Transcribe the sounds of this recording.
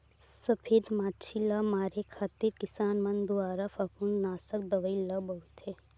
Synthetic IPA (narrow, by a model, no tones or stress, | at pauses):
sɐpʰeːd̪maːt͡ʃʰilaːmaːɾekʰaːt̪iɾkɪsaːnmɐnd̪uaːɾafɐkunnaːsək̚d̪ɐʋəilabɐɦut̪ʰeː